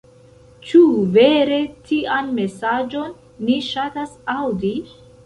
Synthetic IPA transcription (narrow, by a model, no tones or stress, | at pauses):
t͡ʃuve̞ɾe̞tʰianme̞sad͡ʒo̞nː | iʃatasawdi